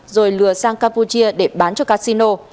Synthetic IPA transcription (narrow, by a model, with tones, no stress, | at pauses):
zo˨˩jlɨ˨˩əsaː˧ŋkaː˧mpu˧t͡ɕi˧əɗe˧˩ɓaː˨˦nt͡ɕɔ˧kaː˦˧˥si˧no˧